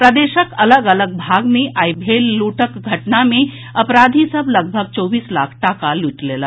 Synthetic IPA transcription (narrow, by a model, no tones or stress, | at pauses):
pɾəd̪eːʃəkələɡələɡ̚bʱaɡmẽʔajbʱelːuʈəkɡʱəʈnamẽ | əpɾad̪ʱisəbʱləɡbʱəɡ̚t͡ʃɔːbiːsla̰kʰʈakaluʈlela